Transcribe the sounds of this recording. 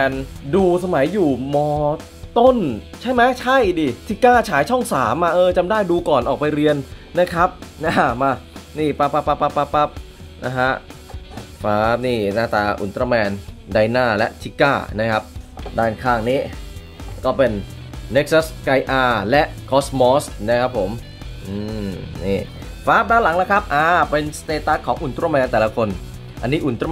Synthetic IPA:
ɛ˧nduː˧sa˧ma˩˦jːuː˨˩mɔː˧ | t̪o˥˩nt͡ɕʰa˥˩jma˦˥t͡ɕʰa˥˩jdiː˧˩t̪ʰi˦˥kaː˥˩t͡ɕʰaː˩˦jt͡ɕʰɔ˥˩ŋsaː˩˦mʔa˧˩ʔɤː˧t͡ɕa˧mdaː˥˩jduː˧kɔː˨˩nʔɔː˨˩k̚pa˧jɾi˧ənː | a˦˥kʰɾa˦˥p̚na˦˥a˧˨˩maː˧niː˥˩pa˦˥˩pːa˦˧˩pːa˦˧˩pːa˦˧˥pːa˦˧˥pːa˦˥p̚ | nʔa̰˦˥ɦʰa˦˥ʔ | faː˦˧˥p̚niː˥˩naː˥˩t̪aː˧˩ʔṵ˩˦nt̪ɾaː˧mɛː˧ndaː˧jnaː˥˩lɛ̰˦˥ʔt̪ʰi˦˧˥kaː˥˩na˦˥kʰa˦˥p̚daː˧˩nkʰaː˧˩ŋniː˦˥˩ | kɔː˥˩pe˧nː | e˦˥k̚sa˦˥ska˧jʔaː˧lɛ˦˥ʔkʰɔː˦˥smɔː˦˥sna˦˥kʰa˦˥pʰːo˩˦m | ʔɯː˧niː˥˩ | faː˦˥p̚daː˧˨nla˨˩˦ŋla˦˥kʰa˦˥p̚ʔaː˧˩pe˧nst̪eː˧t̪a˦˥kʰːɔː˩˦ŋʔu˨˩nt̪ɾɔː˧mɛː˧nt̪ɛː˨˩la˧kʰo˧n | ʔa˧nːiː˦˥ʔu˨˩nt̪ɾa˧

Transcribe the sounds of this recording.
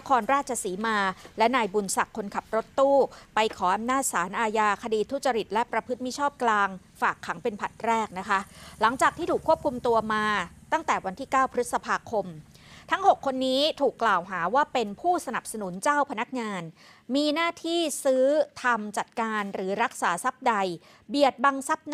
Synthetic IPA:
na˦˥kʰɔː˧nɾaː˥˩t̪̚t͡ɕʰa˧siː˩˦maː˧lɛ˦˥naː˧jbu˧nsa˨˩kʰːo˧nkʰa˨˩p̚ɾo˦˥t̪ːuː˥˩pa˧jkʰɔː˩˦ʔa˧mnaː˥˩t̪̚saː˩˦nʔaː˧jaː˧kʰa˧diː˧t̪ʰːu˥t̚t͡ɕa˧ɾi˨˩t̪̚lɛ˦˥pɾa˧pʰɯ˦˥t̪̚mi˦˥t͡ɕʰɔː˥˩p̚klaː˧ŋfaː˨˩kʰːa˩˦ŋpe˧npʰa˨˩t̪̚ɾɛː˥˩k̚na˦˥kʰa˦˥la˩˦ŋt͡ɕaː˨˩k̚t̪ʰiː˥˩t̪uː˨˩kʰːu˥˩əkʰu˧mt̪u˧ɐmaː˧t̪a˥˩ŋt̪ɛː˨˩wa˧nt̪ʰiː˥˩kaː˥˩wpʰɾɯ˦˥t̪̚sa˧pʰaː˧kʰo˧m | t̪ʰa˦˥ŋɦo˨˩kʰːo˧nːiː˦˥t̪ʰuː˨˩kːlaː˨˩wɦaː˩˦waː˥˩pe˧npʰuː˥˩sa˧na˨˩p̚sa˧nu˨˩˦nt͡ɕaː˥˩wpʰa˧na˦˥k̚ŋaː˧n | miː˧naː˥˩t̪ʰiː˥˩sɯː˦˥t̪ʰa˧mt͡ɕa˨˩t̪̚kaː˧nɾɯː˩˦ɾa˦˥k̚saː˩˦sa˦˥p̚da˧j | bi˨˩ət̪̚baː˧ŋsa˦˥p̚n

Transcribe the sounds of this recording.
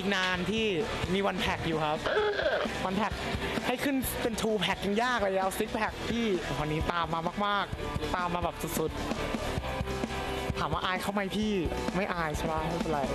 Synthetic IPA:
i˦k̚naː˧nt̪ʰiː˥˩miː˧wa˧npʰɛ˨˩k̚juː˨˩kʰa˦˥p̚ | wa˧npʰɛ˨˩k̚ha˥˩jkʰɯ˥˩npe˧nt̪ʰuː˧pʰɛ˨˩k̚ja˨˩ŋjaː˥˩k̚lɤː˧ja˧˩ʔa˧wsi˦˥k̚pʰɛ˨˩k̚p̪ʰiː˥˩wa˧nːiː˦˥t̪aː˧mːaː˧maː˥˩k̚maː˥˩k̚ | t̪aː˧mːaː˧bɛː˨˩p̚su˨˩t̪̚su˨˩t̪̚ | t̪ʰaː˩˦mwaː˧ʔaː˧jkʰa˥˩wma˧jpʰiː˥˩ma˥˩jʔaː˧jt͡ɕʰa˥˩wʰa˦˥ha˥˩˧pe˨˧nla˧j

